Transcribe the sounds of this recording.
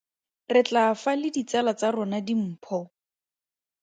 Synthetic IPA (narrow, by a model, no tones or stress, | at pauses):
rɪt͡ɬafalɪdit͡sɛlat͡sarʊnadim̩pʰɔ